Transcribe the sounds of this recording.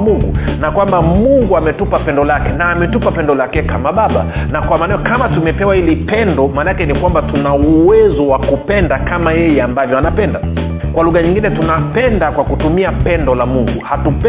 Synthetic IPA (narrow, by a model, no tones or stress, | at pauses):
muŋɡunakwambamuŋɡuamɛtupapɛndɔlakɛnaːmɛtupapɛndɔlakɛkamaɓaɓa̰ | nakwamanajɔkamatumɛpɛwahilipɛndɔmanakɛnikwambatunauwɛzɔwakupɛndakamajɛjɛambavjɔanapɛnda | kwaluɣaɲiŋɡinɛtunapɛndakwakutumiapɛndɔlamuŋɡuhatup